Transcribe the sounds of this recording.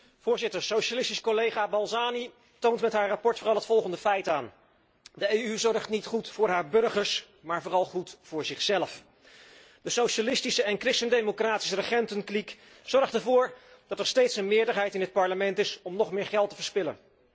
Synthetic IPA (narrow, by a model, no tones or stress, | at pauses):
v̥ʊːɹzɪtəɹsowʃalɪstiskolejχaːbɑlˠzaːni | towntmɛtɦaːɹrɑpɔɹtfʊːɾɑlˠɦətfɔlˠχəndəfɛjtaːn | dəejyzɔɹχtnitχutfʊːɹɦaːɹbɵɹχəɹs | maːɹvʊːrɑlˠχutfʊːɹzɪχsɛləf | d̥əsowʃalɪstisəɛnkrɪstəndejmokraːtisərəχɛntənklik | z̥ɔɹχtəɹvʊːɹ | d̥ɑtɛɹstejtsənmɪːɹdəɹɦɛjtɪnɦət̚pɑɹləmɛntɪsɔmnɔχmɪːɹχɛlˠtəvəɹspɪlə̰n